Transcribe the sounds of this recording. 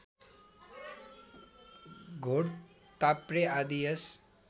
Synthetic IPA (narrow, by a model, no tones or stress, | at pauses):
ɡʱoɽ | t̪apɾead̪ijɐs